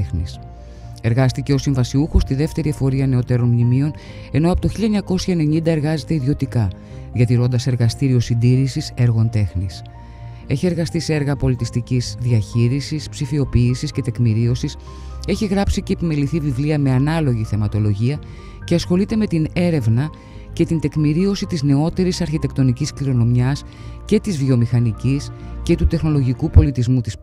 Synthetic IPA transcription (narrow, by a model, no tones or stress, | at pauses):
xnḭs | e̞ɾɣɐst̪ice̞o̞siɱvɐsiuxost̪iðe̞ft̪e̞ɾiefo̞ɾiɐne̞o̞t̪e̞ɾo̞nmnimio̞n | e̞no̞ɐpot̪oçiliɐɲɐko̞sçɐene̞ɲind̪ɐe̞ɾɣɐze̞t̪e̞iðio̞t̪ikɐ | ðiɐt̪iɾo̞nd̪ɐse̞ɾɣɐst̪iɾio̞sind̪iɾisise̞ɾɣo̞nt̪e̞xnis | e̞çie̞ɾɣɐst̪isee̞ɾɣɐpo̞lit̪ist̪icizðiɐçiɾisispsifio̞piːsisce̞t̪e̞kmiɾio̞sis | e̞çiɣɾɐpsice̞ːpime̞liθivivliɐme̞ɐnɐlo̞ʝiθe̞mɐt̪o̞lo̞ʝiɐ | ceɐsxo̞lit̪e̞me̞t̪ine̞ɾe̞vnɐ | ce̞t̪int̪e̞kmiɾio̞sit̪izne̞o̞t̪e̞ɾisɐɾçit̪e̞kt̪o̞niciskliɾo̞no̞mjɐs | ce̞t̪izvio̞mixɐnicis | ce̞t̪ut̪e̞xno̞lo̞ʝikupo̞lit̪izmut̪is